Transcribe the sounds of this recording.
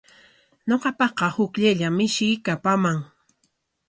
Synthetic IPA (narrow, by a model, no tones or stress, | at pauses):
ɲoqɑpɑqɑhʊkʎaʎamɪʃɪjkapamaŋ